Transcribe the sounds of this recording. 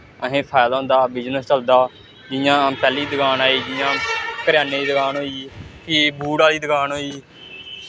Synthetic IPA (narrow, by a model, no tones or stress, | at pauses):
əɦẽːpʰaːjd̪aːʊ̃nd̪aːbɪd͡ʒnəst͡ʃəld̪aː | d͡ʒɪjãːpɛːliːd̪əɡaːnaːiːd͡ʒɪjãːkəɾjaːneːd̪iːd̪əɡaːnɦoːiːkɪbʱuːɽaːliːd̪əɡaːnɦoːiː